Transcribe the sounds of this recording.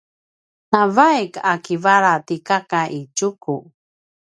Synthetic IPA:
navajkakivaɾat̪ikakaʔit͡ʃuku

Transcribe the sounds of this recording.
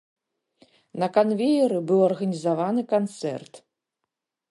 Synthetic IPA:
nɐkanvʲejɛɾɨbɨwɐrɣɐnʲizavanɨkant̪sɛ̰rt̪

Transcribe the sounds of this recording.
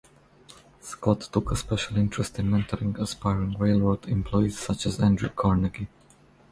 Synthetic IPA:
skʰɔtʰːʊkʰəspɛʃəlˠɪ̃ntʰɹ̥əstɪ̃nmɛ̃ntʰəɹɪ̃ŋɡəspaɪɹɪ̃ŋɹeɪlˠwədɪ̃mpʰl̥ɔɪiz̥sʌt͡ʃəzæ̃ndɹukʰɔɹnəɡi

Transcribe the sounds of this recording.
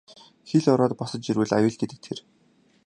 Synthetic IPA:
xiɮɔɾɔːt̪̚pɔsɞ̆t͡ɕ̪t͡ɕiɾwɘ̆ɮajʊːɮɡet̪ɘ̆k̚t̪ʰer

